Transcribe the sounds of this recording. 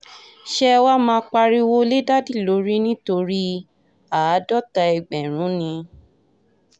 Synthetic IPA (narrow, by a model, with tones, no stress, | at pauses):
ʃɛ˦wa˦mãː˧k͡pa˧ɾi˦wo˦le˦da˦di˦˨lo˨˦ɾi˦nĩ˦to˧ɾi˦ | a˨˦dɔ˦ta˧ɛ˨ɡ͡bɛ˨ɾ̃ũ˨˦nĩ˧